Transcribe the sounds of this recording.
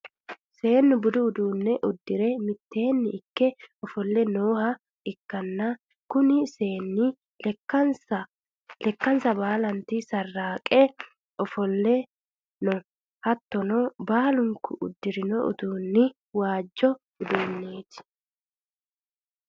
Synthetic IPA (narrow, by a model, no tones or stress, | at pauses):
se̞ːnːʊbʊd̪ʊʊd̪uːnːɛʔʊd̪ːɪɾɛmɪt̪ːe̞ːnːɪɪkːɛɔfɔlːɛnoːhɐ | ɪkːɐnːa | kʊnɪseːnːɪ | sɐ | lɛkːɐnsɐbaːlɐnt̪isɐrːaːkʼɛ | ɔfɔlːɛ | nɔ | hɐt̪ːɔnɔbaːlʊŋkʊʔʊ̰d̪ːɪɾɪnɔʔʊ̰t̪uːnːɪ | waːd͡ʒːɔ | ʊd̪uːnːeːt̪ɪ̥